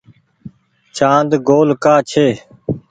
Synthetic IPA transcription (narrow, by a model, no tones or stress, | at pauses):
t͡ʃãːnd̪ɡoːlkaːt͡ʃʰeː